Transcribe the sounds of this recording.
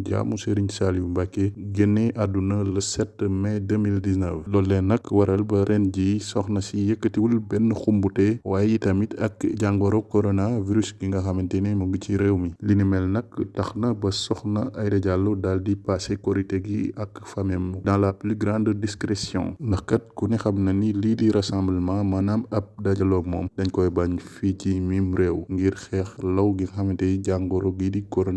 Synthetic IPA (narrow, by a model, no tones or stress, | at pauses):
ɟa̰ːmuseɾiɲsaliubakːeɡeneʔadunɐlɐsɛtːmɛdəmildisnəfdɔlːɛnɐkwɐɾɐlbɐɾʔɛnɟisɔxnɐsijɛkːətiwulbɛnːxumbutɛwaːjjitɐmitɐkɟaŋɡɐɾokoɾonaviɾysɡiŋɡɐxɐmintɛnemuɡuciɾɛwmilinimɛlnɐkːtɐxnɐbɐsɔxnɐɐjdɐɟalːudaldipasekɔɾiteɡiɐkfɐmɛmudãlaplyɡɾãnddiskɾɛsjɔ̰̃ndɐxkɐt̚kunixɐmnɐnilidiɾɐsãmblmãmɐnamɐp̚daɟɐlɔmɔːmdɐɲkɔjbaɲficimimɾɛwŋɡiɾxɛːxlɐwɡiŋɡxɐmintɛɟaŋɡɔɾoɡidikɔɾona